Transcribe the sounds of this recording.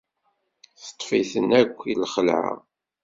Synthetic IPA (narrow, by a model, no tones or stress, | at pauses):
θə̥t̪ˤːfiθənækʷːilχəlʕa̰